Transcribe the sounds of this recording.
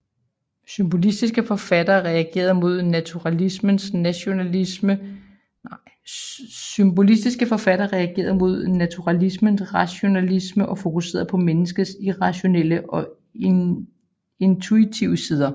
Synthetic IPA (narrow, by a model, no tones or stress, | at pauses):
symb̥o̝lisd̥isɡ̥əfɒ̽fæd̥ɐːʁɛæɡ̥e̝̰ːɐðˠmo̝ð̞̰ˠnæt͡sʰuʁɑlismənsnæɕo̝nælismə | symb̥o̝lis̬d̥isɡ̥əfɒ̽fæd̥ɐʁɛæɡ̥e̝̰ːɐð̩ˠmo̝ð̞̰ˠnæt͡sʰuʁɑlismənsʁɑɕo̝nælisməʔɒ̽fo̝kʰuse̝̰ːɐðˠpʰɒ̽menəsɡ̥əsiʁɑ̈ɕo̝nel̰əʔɒ̽ | e̝nt͡sʰuit͡sʰiʊ̰əsiːð̞ˠɐ